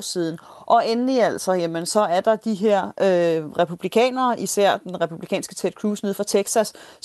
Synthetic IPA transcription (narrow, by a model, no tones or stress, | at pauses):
siːð̞ˠn̩ | ʔɒ̽enliæl̰sɒ̽jemənsɒ̽æɐd̥ɑ̈d̥iɦeɐ̰øʁɛpʰub̥likʰɛ̰ːnɐːʔisæɐ̰d̥enʁɛpʰublikʰɛ̰ːnsɡ̥ət͡sʰed̥̚kʰʁuːsne̝ðˠfɑ̈t͡sʰeɡ̥sæs